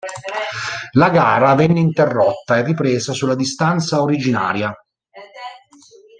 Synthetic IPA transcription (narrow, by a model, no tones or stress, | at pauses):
laɡaːɾavɛnːeint̪erːɔt̪ːaerːipɾeːzasulːad̪ist̪ant̪saoɾid͡ʒina̰ːɾja